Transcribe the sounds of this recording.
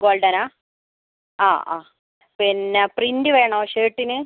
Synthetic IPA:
ɡoːɭɖɐnaː | a̰ːʔaː | pinːeprindɨʋeːɳɐmʂeːʈːinɨ

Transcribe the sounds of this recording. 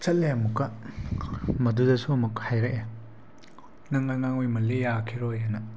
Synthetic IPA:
t͡ʃɐt̚leamukːɐ | mɐdudɐsuɐmuk̚hajɾekʔe | nɐŋajŋaŋujmɐlejakʰiɾojanɐ

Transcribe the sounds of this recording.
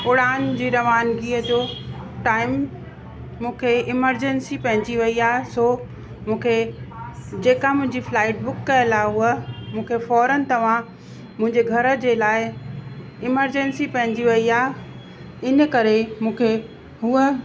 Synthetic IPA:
ʊɽaːnd͡ʑiːɾɐʋaːnɡiːəd͡ʑoː | ʈaːɪmː | ũːkʰeɪməɾd͡ʑɛnsipɐ̃ɦɪ̃ɲd͡ʑiʋɐiaːɦesoː | mũːkʰe | d͡ʑeːkamʊ̃ɦɪ̃ɲd͡ʑiflaːɪʈ̚bʊkːɐjəlaːɦuəmũːkʰefɔːɾənɪ̆t̪ɐʋ̤ã | mʊ̃ɦɪ̃ɲd͡ʑeɡʱɐɾə̆d͡ʑeːlaːɪ | ɪməɾd͡ʑɛ̃nsipɐ̃ɦɪ̃ɲd͡ʑiʋɐiaːɦ | ɪnə̆kɐɾemũːkʰe | ɦuə

